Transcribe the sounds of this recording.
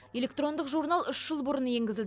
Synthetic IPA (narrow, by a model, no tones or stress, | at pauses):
je̞lʲe̞k̚t̪ro̞nd̪əqʒurnalˠʏʃʒ̥əlˠbʊɾənje̞ŋɡʲɪzɪld̪ɪ